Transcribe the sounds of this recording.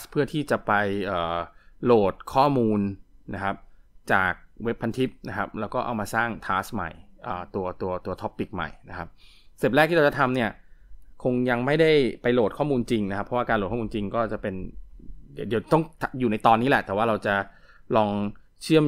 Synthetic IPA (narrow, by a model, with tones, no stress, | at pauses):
spʰɯ˥˩ɐt̪ʰiː˥˩t͡ɕa˨˩pa˧jʔɤː˨˩loː˨˩t̪̚kʰɔː˥˩muː˧nːa˦˥kʰa˦˥p̚t͡ɕa̰ː˨˩k̚we˦˥pʰːa˧nt̪ʰi˦˥p̚na˦˥kʰa˦˥p̚lɛː˦˥wkɔː˥˩ʔa̰˧wmaː˧saː˥˩ŋt̪ʰaː˦˥sma̰˨˩jʔəː˨˩t̪u˧ɐt̪u˧ɐt̪u˧ɐt̪ʰɔ˦˥pːi˨˩k̚ma̰˨˩jna˦˥kʰa˦˥p̚ | seː˨˩p̚lɛː˥˩k̪̚i˥˩ɾa˧˩t͡ɕa˨˩t̪ʰa˧mni˥˩ɐ | kʰo˧ŋja˧ŋma˥˩jda˥˩jpa˧jloː˨˩t̪̚kʰɔː˥˩muː˧nt͡ɕi˧ŋna˦˥kʰa˦˥pʰːɔ˦wa˥˩ka˧lt̚kʰːmː˧nt͡ɕi˧ŋkɔː˥˩t͡ɕa˨˩pe˧n | ddi˧t̪ɔ˥˩ŋt̪ʰa˨˩juː˨˩na˧jt̪ɔː˧nːiː˦˥lɛ˨˩ʔt̪ɛː˨˩waː˥˩ɾa˧wt͡ɕa˨˩ | lɔː˧ŋ | t͡ɕʰɯ˥˩əm